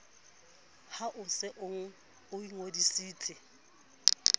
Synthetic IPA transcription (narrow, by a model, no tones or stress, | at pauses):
haʔʊsɪʔʊŋ̩ | ʊiŋodisiːt͡sʰʼɪ